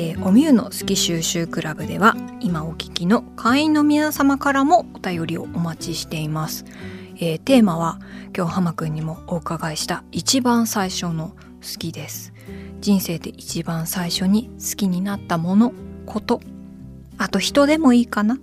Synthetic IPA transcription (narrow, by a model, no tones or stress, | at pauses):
eːo̞mʲiɯ̟no̞sɨ̥kʲiɕɨːɕɨːkɯ̟ɾaɡɯ̟d̪e̞̰β̞aimao̞kʲi̥kʲino̞kʰãɰ̃ĩno̞mʲinasamakaɾamo̞ot̪ajo̞ɾʲio̞̰ʔːmat͡ɕiɕi̥t̪e̞imasɨ̥eːt̪e̞ːmaβ̞akʲo̞ːhamakɯ̟̃ɲ̟ːimo̞ːɯkaɡaiɕi̥t̪ait͡ɕibãɰ̃saiɕo̞no̞ | sɨ̥kʲid̪e̞sɨ̥ | d͡ʑĩɰ̃se̞ːd̪e̞ʔit͡ɕibãɰ̃saiɕo̞ɲ̟isɨ̥kʲiɲ̟inat̪ːamo̞no̞kʰo̞t̪o̞ | at̪o̞çi̥t̪o̞d̪e̞mo̞iːkana